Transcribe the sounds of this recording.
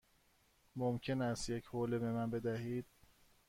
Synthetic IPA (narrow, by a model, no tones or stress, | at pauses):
momcʰe̞næst̪je̞cʰhoːlebemænbe̞d̪æɦiːd̪̥̚